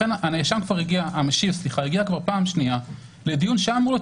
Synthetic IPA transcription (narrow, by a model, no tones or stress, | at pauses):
enaneːʃamkvaʁhiɡiaʔameʃilsliχaeɡiakvaʁpaːmʃnia | ledijunʃamulo